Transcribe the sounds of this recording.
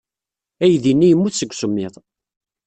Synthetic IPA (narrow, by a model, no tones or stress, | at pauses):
æjðinːijəmːuθsəɡʷsəmːɪðˤ